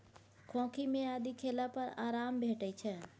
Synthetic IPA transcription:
kʰõːkʰimẽaːd̪ikʰeːlapəɾaːɾaːmbʱeːʈəit͡ʃʰɛ

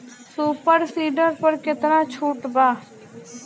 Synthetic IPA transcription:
suːpəɾsiːɖəɾpəɾkɪt̪ɾãːt͡ʃʰuːʈbaː

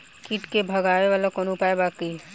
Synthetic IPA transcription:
kiʈkebʱɐɡaːeʋaːlakɔnupaːebaːkə

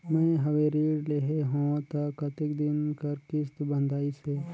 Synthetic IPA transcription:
mɛ̃ɦɐweɾiːɽleɦeɦõːt̪ɐkɐt̪ɪkd̪ɪnkɐɾkɪst̪bə̃nd̪ʱaːiseː

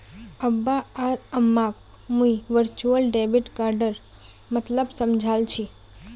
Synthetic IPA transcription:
əbːaaɾəmːak̚ | muiʋəɾt͡ʃuəlɖebiʈkaɾɖəɾ | mət̪ləbsəmd͡ʒʱalt͡ʃʰi

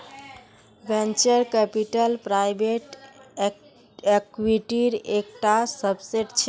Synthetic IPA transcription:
bẽnt͡ʃəɾkɛpiʈəlpɾajbeʈ | ekwiʈiɾek̚ʈasəbseɖt͡ʃʰ

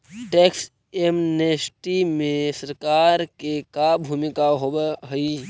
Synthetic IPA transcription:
ʈeːks | emnesʈimẽsəɾkaːɾkekabʱuːmɪkaɦobɦəi

